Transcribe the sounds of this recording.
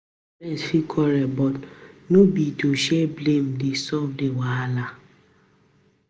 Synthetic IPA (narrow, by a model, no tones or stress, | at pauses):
lɛsfikʰɔɾɛbɔtnobitoʃɛblem̩desɔvdewaala